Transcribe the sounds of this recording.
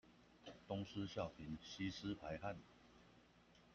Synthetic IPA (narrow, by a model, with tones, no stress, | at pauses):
t̪ʊ˥ŋs̩˦ɕjɑ˥˨ʊpʰi˨˦nɕi˦s̩˥˦pʰa˨˦ɪha˥˨n